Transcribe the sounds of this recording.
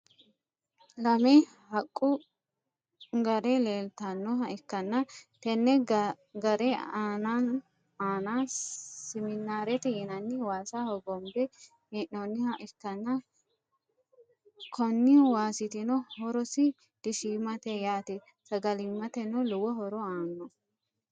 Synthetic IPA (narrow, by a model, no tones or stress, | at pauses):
lɐmɛ | hɐkʼːʊ | ɡɐɾɛleːlt̪ɐnːɔɦɐɪkːɐnːɐt̪ɛnːɛ | ɡɐɾɛaːnan | aːnasɪmɪnːaːɾɛt̪ɛjɛnɐnːɪwaːsahɔɡɔmbɛ | ɛʔɔnːɪhɐʔɪkːɐnːɐ | kʰɔnːɪwaːsɪt̪ɪnɔhɔɾɔsɪ | d̪̥ɪʃiːmɐt̪ɛjaːt̪ɛ | sɐɡɐlɪmːɐt̪ɛnɔlʊwɔɦɔɾɔaːnːɔ